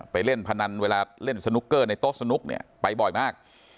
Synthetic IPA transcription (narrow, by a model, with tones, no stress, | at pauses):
pa˧jle˥˩npʰa˧na˧nweː˧laː˧le˥˩nsa˧nu˦˥kːɤː˥˩na˧jt̪o˦˥k̚sa˧nu˦˥k̚nḭ˦˥˩ɐpa˧jbɔ˨˩jmaː˥˩k̚